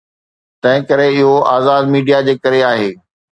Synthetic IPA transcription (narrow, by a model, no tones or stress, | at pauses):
t̪ɐ̃ɦɪ̃kɐɾeɪɦoʔaːzaːd̪miːɖijad͡ʑeːkɐɾeaːɦeː